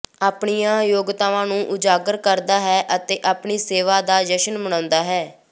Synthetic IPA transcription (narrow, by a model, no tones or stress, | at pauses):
aːpɳiːjãːjoːɡt̪aːʋãːnũːʔʊd͡ʒaːɡəɾkəɾd̪aːɦɛːʔət̪eːʔaːpɳiːseːʋaːd̪aːd͡ʒəʃənbəɳãːnd̪aːɦɛː